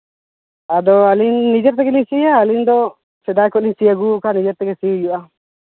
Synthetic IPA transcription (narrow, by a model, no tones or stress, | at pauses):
ad̪ɔalinːid͡ʒɛɾt̪̬ɛɡɛlisijaːlind̪ɔ | sɛd̪ajkɔʔlinsijaɡuːkanid͡ʒɛɾt̪ɛɡɛsijuʔa